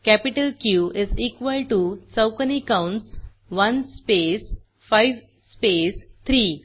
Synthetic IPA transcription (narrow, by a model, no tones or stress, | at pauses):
kæpiʈəlkjuizikʋəlʈut͡səwkənikãwɳʈs | ʋɐnspes | fajʋ | spest̪ʰɾi